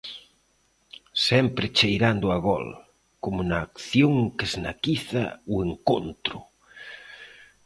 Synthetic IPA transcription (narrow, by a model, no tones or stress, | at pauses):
sɛmpɾɪt͡ʃejɾand̪ʊaɣɔ̰l | komunaːkθjoŋkeznakiθa̰ueŋkont̪ɾʊ